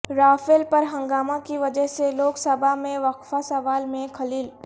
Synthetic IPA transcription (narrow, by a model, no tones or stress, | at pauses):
ɾaːfɪlpɐɾɦɐ̃ŋɡaːmakiʋɐd͡ʒəɦseloːksəbʱamẽʋɐkfasɐʋaːlmẽkʰɐliːl